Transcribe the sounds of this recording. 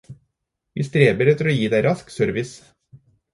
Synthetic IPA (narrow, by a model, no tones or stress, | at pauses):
ʋḭːst̪ɾeːbəɾɛt̪ːəɾoːjiːd̪æɪɾɑsksœɾʋɪs